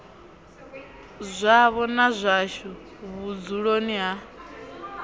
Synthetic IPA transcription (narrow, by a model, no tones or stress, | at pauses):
zʷaβɔnazʷaʃɔ | βud͡zuɺoniɦa